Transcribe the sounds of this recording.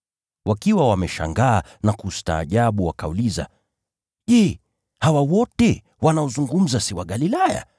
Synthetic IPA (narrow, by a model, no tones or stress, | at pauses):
wakiwawamɛʃa̰ŋɡaːnakusta̰ːʄaɓuwakauliza̰ | ʄɛ | hawawɔtɛ | wanaɔzuŋɡum̩zasiwaɠalilaja̰